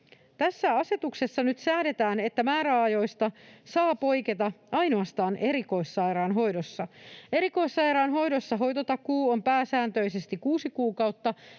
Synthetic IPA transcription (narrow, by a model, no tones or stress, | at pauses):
t̪æsːæɑse̞t̪ukse̞sːɑnyt̪sæːde̞t̪æːne̞t̪ːæmæːɾæɑjo̞jst̪ɑsɑːpo̞jket̪ɑɑjnoɑst̪ɑːnʔeɾiko̞isːɑjɾɑːnɦo̞jdosːɑe̞ɾiko̞isːɑjɾɑːnɦo̞jdo̞sːɑɦo̞jt̪ot̪ɑkuːompæːsæːnt̪øise̞st̪ikkuːsikuːkɑwt̪ːɑ